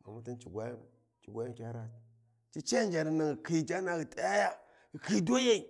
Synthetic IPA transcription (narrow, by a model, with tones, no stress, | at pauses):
ma̰˨mu˦ti˦nt͡ʃi˨ɡʷa˦j | t͡ʃi˨ɡʷa˦ji˦kʲa˦ɾa˦˨ | t͡ʃi˦t͡ʃa˦n˦d͡ʒa˨ni˨na˨ŋ˨ki˨d͡ʒa˦na˦˨ɡi˨ta˦ja˦ja˦ | ɡi˨ki˦do˦je˦i˨